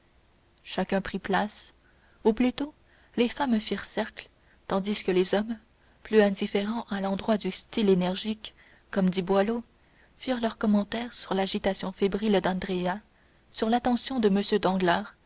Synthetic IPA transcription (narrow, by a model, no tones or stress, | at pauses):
ʃakʲɛ̃pχiplas | uplyt̪o | lefamfiʁsɛʁkl | t̪ɑ̃d̪iskəlezɔm | plyɛ̃d̪ifeʁɑ̃ʔalɑ̃d̪ʁwad̪yst̪ilenɛʁʒikː | ɔmd̪ibwalo | fiːʁlœʁkɔmɑ̃t̪ɛːʁsyʁlaʒit̪asjɔ̃febʁild̪ɑ̃d̪ʁea | syʁlat̪ɑ̃sjɔ̃d̪əməsjød̪ɑ̃ɡlaːʁ